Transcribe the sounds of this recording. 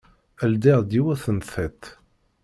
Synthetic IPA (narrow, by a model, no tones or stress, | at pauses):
əld̪iʁd̪iwæθənθæt̪